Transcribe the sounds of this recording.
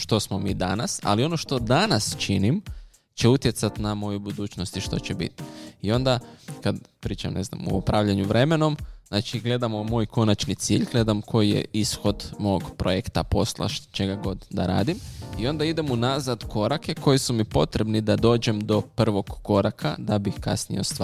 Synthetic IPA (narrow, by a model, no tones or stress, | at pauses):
ʃt̪o̞smo̞miːd̪a̰nasa̰lio̞no̞ʃt̪o̞d̪anast͡ʃinim | t͡ɕe̞ut̪je̞t̪sat̪namo̞jubud̪uːt͡ʃnost̪iʃt̪o̞̰t͡ɕebḭt̪i̥io̞nd̪akad̪pɾiːt͡ʃamne̞zna̰mo̰opɾaːʋʎaɲuʋɾe̞me̞no̞mznaːt͡ʃiɡle̞d̪amomo̞ːjko̞nat͡ʃnit̪siːʎɡle̞d̪amko̞jijḛisxo̞d̪mo̞oɡpɾojekt̪apo̞slˠa̰ʃt͡ʃeɡaɡo̞d̪d̪a̰ɾa̰ːd̪imio̞nd̪aid̪e̞munazad̪kʰo̞ɾake̞kʰo̞jisumipo̞t̪ɾe̞bnid̪ad̪o̞ːd͡ʒe̞md̪o̞pr̩ʋo̞ɡ̥ːo̞ɾakʰa̰d̪abixka̰snḭjost̪ː